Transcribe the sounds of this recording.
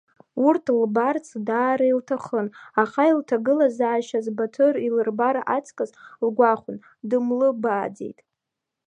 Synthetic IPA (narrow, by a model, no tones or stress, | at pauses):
urtʰlbart͡sʰdaːɾailtʰaχənaχailtʰaɡɨlazaːʃazbatʰorilɨrbaɾaʔat͡sʰkʼazlɡʷaχʷʊn | dɨmlɨbaːd͡zḛjtʼ